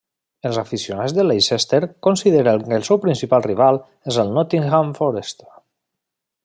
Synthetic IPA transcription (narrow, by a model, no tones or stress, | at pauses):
elzafisionazðəlejsest̪eɾkonsiðeɾəŋkəlˠsɛwpɾinsipalˠriβ̞alˠ | ezəlˠnɔt̪iŋxaɱfoɾest̪e